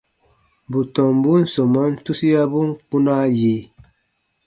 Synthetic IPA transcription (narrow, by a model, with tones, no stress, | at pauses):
bu˨tɔ˨m˨bu˦n̩˨so˨ma˦n̩˦tu˦si˦ja˦bu˦ŋ̩˦k͡pu˦na˦ji˨˦